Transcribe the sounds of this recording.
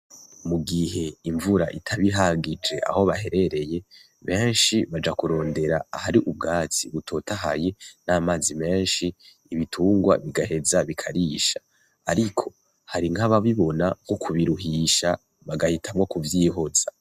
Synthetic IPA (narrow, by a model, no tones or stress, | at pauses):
muɡiɦe̞iɱvuɾaʔitʰaβiɦaɡid͡ʒe̞ʔa̰hoβahe̞ɾe̞ɾe̞je̞ | βe̞ːnʃiβad͡ʒakuɾo̞ːnde̞ɾaːhaɾiʔub̚ɡaːt͡siβutʰo̞taɦa̰je̞naːmaːzime̞ːnʃiː | βitʰuːŋɡwa̰βiɡahe̞zaβikʰaɾiːʃa | aɾikʰo̞̥ | haɾiŋhaβaβiβo̞naɡokʰuβiɾuɦiʃa | βaɡahitʰamwokuvjiːɦo̞z̥a